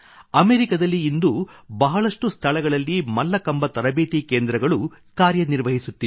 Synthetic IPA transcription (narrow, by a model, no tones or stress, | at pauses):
ɐmeːɾikɐd̪ɐlːiːnd̪ubɐɦɐɭɐʂʈust̪ʰɐɭɐɡɐɭɐlːimɐlːɐkɐmbɐt̪ɐɾɐbeːt̪ikeːnd̪ɾɐɡɐɭu | kaːɾjɐniɾʋɐɦisut̪ːi